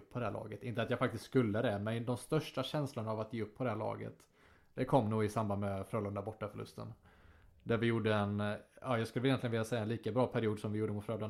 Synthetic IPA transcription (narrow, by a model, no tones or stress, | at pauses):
pːʰɔd̪ɛhæːɭɑ̰ːɡət̪ɪnt̪əat̪jaɡfak̚t̪ɪst̪skɵlːəd̪ɛmɛnd̪ɔmst̪œʂʈaɕɛnslʊɳaavat̪̚jeːɵpːʰɔd̪ɛhæːɭɑ̰ːɡə̰t̪ | d̪ɛkʰɔmːnuːɡɪsamband̪mɛfɾøːlənd̪abɔʈːafœɭɵ̰st̪ə̰n | d̪æɾvɪjuːɖəɛnɑːjɑːɡskɵlːɛljɛnlɪənɪljasɛjːaɛnliːkabɾɑːpʰæɾɪuːd̪sɔmvɪjuːɖəəmʊt̪fɾøːlən